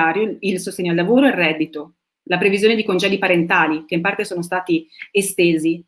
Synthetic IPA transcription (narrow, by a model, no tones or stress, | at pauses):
aːɾjoilsost̪eːɲːoalːavoːɾoɛrɛd̪ːit̪o | lapɾevizjoːned̪ikond͡ʒɛːd̪ipaɾent̪aːlikeimpart̪esoːnost̪aːt̪iest̪eːzi